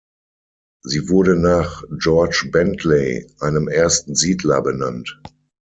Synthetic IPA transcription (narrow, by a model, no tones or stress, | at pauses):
ziːvʊɐɾənaːχd͡ʒɔɐt͡ʃbɛntʰleɪʔaɪnəmʔeːɐstn̩ziːdlɐbənant